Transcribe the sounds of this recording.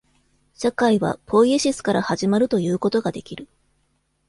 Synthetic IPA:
ɕakaiβa̰pʰo̞ieɕisɨ̥kaɾahaʑimaɾɯ̟t̪o̞jɯ̟ːko̞t̪o̞ɡad̪e̞kʲiɾɯ̟

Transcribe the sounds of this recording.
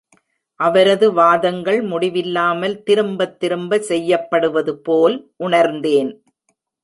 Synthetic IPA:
ʔɐʋɐɾɐðɯʋaːðɐŋɡɐɭmʊɽɪʋɪlːaːmɐlt̪ɪɾɯmbɐt̪ːɪɾɯmbɐsɛjːɐpːɐɽɯʋɐðɯpoːlʔʊɳɐɾnd̪eːn

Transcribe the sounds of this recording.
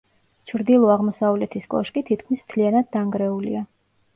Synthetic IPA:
t͡ʃʰɾd̪ilˠɔaʁmɔsavlɛt̪ʰiskʼɔ̰ʃkʼit̪ʰit̪kʰmismt̪ʰlianad̪ːaŋɡɾɛulḭa

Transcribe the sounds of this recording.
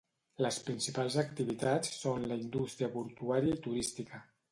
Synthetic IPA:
ləspɾinsipalˠzəkt̪iβit̪at͡sːonləind̪ust̪ɾiəpuɾt̪uaɾiəit̪uɾist̪ikə

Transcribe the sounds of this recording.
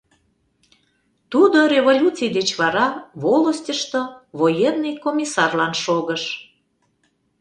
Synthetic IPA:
t̪ud̪oɾʲeβolʲut͡sɨjd̪et͡ɕβɑɾɑβolˠəsʲtʲəʃt̪oβojenːijkomʲisɑrlɑnʃoɣəʃ

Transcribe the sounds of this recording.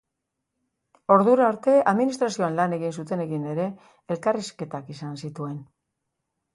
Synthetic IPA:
o̞ɾðuɾaoɾt̪e̞aðminist̪ɾasio̞anlane̞ɣinsut̪e̞ne̞ɣine̞ɾe̞ː | lkariske̞t̪akisansit̪ue̞n

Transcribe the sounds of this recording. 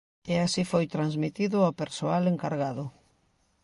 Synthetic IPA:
easifojt̪ɾanzmit̪iðʊapeɾsoaleŋkaɾɣaðʊ

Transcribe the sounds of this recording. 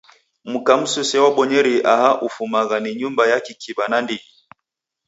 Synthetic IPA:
mukam̩susɛwaɓɔɲɛɾiʔahaʔufumaɣaniɲumbajakikibanandii

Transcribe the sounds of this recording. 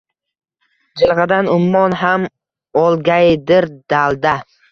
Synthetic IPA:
d͡ʒɪlˠʁɑd̪anʊmːɒnɦam | ɒlˠɡʲajd̪ɪɾd̪alˠd̪a

